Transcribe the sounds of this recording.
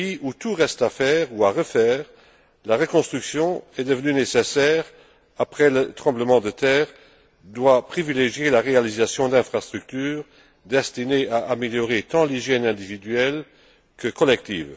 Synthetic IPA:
iut̪uʁɛst̪afɛːʁuaʁəfɛːʁ | laʁəkɔ̃st̪χyksjɔ̃ɛd̪əvənynesesɛːʁ | apχɛlət̪χɑ̃bləmɑ̃d̪ət̪ɛːʁ | d̪wapχivileʒjelaʁealizasjɔ̃d̪ɛ̃fχast̪χyk̚t̪yːʁ | d̪ɛst̪ineaʔameljɔʁet̪ɑ̃liʒjɛnɛ̃d̪ivid̪ɥɛl | kʰəkɔlɛk̚t̪ḭːv

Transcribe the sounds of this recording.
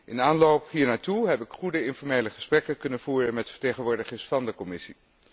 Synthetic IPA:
ʔɪnaːnlowpɦiːɹnaːtuɦɛpɪkχudəɪnfɔɹmejləχə̥sprɛkəkɵnənv̥uːrənmɛtfə̥ɹtejχənʋʊːɹdəχɪsfɑndəkɔmɪsi

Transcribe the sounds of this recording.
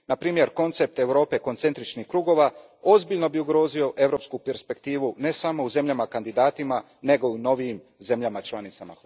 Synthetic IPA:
napɾiːmje̞ɾko̞nt̪se̞p̚t̪e̞ʋɾo̞ːpe̞ko̞nse̞nt̪ɾit͡ʃnixkɾuːɡo̞ʋa | ozbiʎno̞biuɡɾo̞ːzio̞ʔe̞ʋɾo̞ːpskupe̞ɾspe̞kt̪iːʋune̞samo̞uze̞mʎamakand̪id̪aːt̪ima | ne̞ɡo̞uno̞ʋiim | ze̞mʎamat͡ʃlˠanit̪sama̰

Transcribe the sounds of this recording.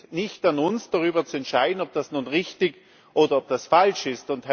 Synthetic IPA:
nɪçtanʊnsd̥aʁyːbɐt͡suɛntʃaɪdn̩ɔp̚d̥asnuːnʁɪçtɪɡ | ʔoːdɐɔp̚d̥asfalʃɪstʊnthɛ

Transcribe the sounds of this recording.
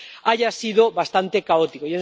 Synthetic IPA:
aʝasiðoβast̪ant̪e̞kaot̪ikojon

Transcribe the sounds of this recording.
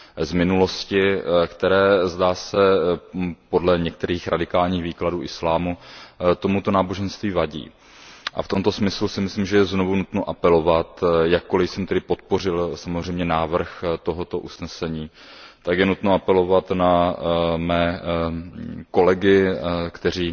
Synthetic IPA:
zmɪnulo̞scɪkt̪ɛɾɛːzdaːsɛ | po̞dlɛɲɛk̚t̪ɛɾiːxɾʔa̰dɪkaːlɲiːɣviːkladuːʔɪslaːmut̪o̞mut̪o̞naːbo̞ʒɛnst̪viːvaɟḭː | ʔa̰ft̪o̞mt̪o̞smɪslusɪmɪslimʒɛjɛzno̞vunut̪noʔapɛlo̞vat̪jakːo̞lɪjsɛmt̪ɛdɪpot̪̚po̞r̝ɪlsamozr̝ɛjmɲɛnaːvr̩xt̪o̞ɦo̞t̪o̞ʔusnɛsɛɲiː | t̪akjɛnut̪noʔapɛlo̞vat̪na | mɛː | ko̞lɛɡɪkt̪ɛr̝iː

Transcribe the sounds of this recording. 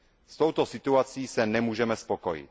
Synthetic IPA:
st̪owt̪osit̪uat͡siːsɛnɛmuːʒɛmɛspokojḭt̪

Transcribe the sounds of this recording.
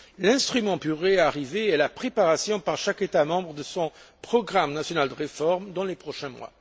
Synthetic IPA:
lɛ̃st̪χymɑ̃pyʁeaʁiveɛlapχepaʁasjɔ̃paʁʃaket̪amɑ̃bʁəd̪əsɔ̃pχɔɡʁamnasjɔnald̪əʁefɔʁmd̪ɑ̃lepχɔʃɛ̃mwa̰

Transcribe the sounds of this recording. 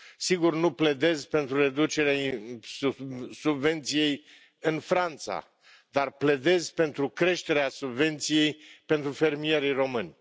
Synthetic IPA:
siɡurnuple̞d̪e̞zpe̞nt̪ɾuɾe̞d̪ut͡ʃe̞ɾeaiusubve̞nt̪sije̞j | ɨnfɾant̪sa̰ | d̪arpled̪e̞zpe̞nt̪ɾukɾe̞ʃt̪e̞ɾeasubve̞nt̪sije̞jpe̞nt̪ɾufe̞rmije̞ɾijro̞mɨnʲ

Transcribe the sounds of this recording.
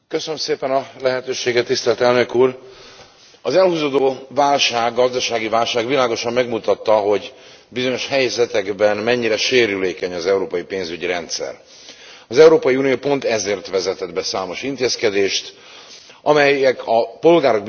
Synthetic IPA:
køsønømseːpɛnɒlɛɦɛt̪øːʃeːɡɛt̪ːist̪ɛlt̪ɛlnøkuːr | ɒzɛlhuːzoːd̪oːvaːlʃaːɡːɒzd̪ɒʃaːɡivaːlʃaːɡʋilaːɡo̞ʃɒmːɛɡmut̪ɒt̪ːɒɦo̞ɟ | bizo̞ɲo̞ʃhɛjzɛt̪ɛɡbɛnmɛɲːiɾɛʃeːɾyleːkɛɲɒzɛuɾoːpɒjipeːnzyɟiɾɛnt̪sɛ̰r | ɒzɛuɾoːpɒjiunijoːpo̞nt̪ɛzeːrt̪ʋɛzɛt̪ɛd̪bɛsaːmo̞ʃint̪eːskɛd̪eːʃt̪ | ʔɒmɛjɛkʰɒpo̞lɡaːɾo̞ɡ̚b

